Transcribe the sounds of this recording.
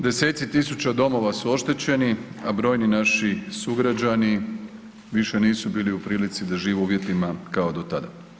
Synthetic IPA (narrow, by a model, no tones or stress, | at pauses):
d̪e̞se̞ːt̪sit̪isut͡ɕad̪o̞mo̞ʋasuo̞ʃt̪e̞t͡ɕeniabɾo̞ːjninaʃisuɡɾad͡ʑani | ʋiʃe̞niːsubiːliupɾiːlit̪sid̪aʒiːʋuuːʋje̞t̪limakaod̪o̞t̪ad̪a